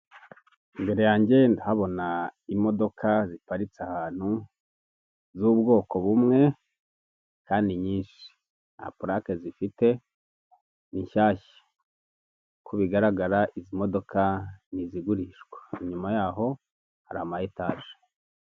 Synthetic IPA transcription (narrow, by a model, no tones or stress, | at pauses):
iŋɡe̞ɾejaːɲɟe̞ndahaβo̞naimo̞do̞kʰazipaɾit͡sahaːn̥hu | zubɡo̞ːko̞βumŋe̞ | kaːndiɲiːnʃi̥ | a̰puɾakezifite̞ | niɲʃaːʃe̥ | kʰuβiɡaɾaɡaɾaʔizimo̞do̞kaniziɡuɾiʃɡwḁiɲumajaːɦo̞ | haɾaamajetaːʒe̥